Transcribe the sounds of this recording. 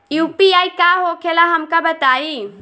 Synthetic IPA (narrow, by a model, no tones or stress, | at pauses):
juːpiaːikaːɦoːkʰelaɦɐmkabɐt̪aːi